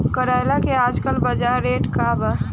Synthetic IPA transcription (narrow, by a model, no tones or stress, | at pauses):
kəɾajlakeaːd͡ʒkəlbəd͡ʒaɾeʈkabəs